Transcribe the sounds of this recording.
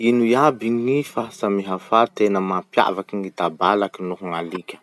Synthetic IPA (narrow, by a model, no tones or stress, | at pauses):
inujabiŋifasamiɦafat̪enəmapja̰vakiŋit̪abalakinuɦuŋalikʲə̥